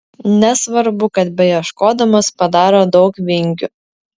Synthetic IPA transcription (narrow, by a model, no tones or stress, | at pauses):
nʲɛsʋɐɾbʊkɐt̪bʲɛjɛʃkoːd̪ɐmɐspɐd̪ɑːɾoːd̪ɒʊkʋʲɪŋʲɡʲʊ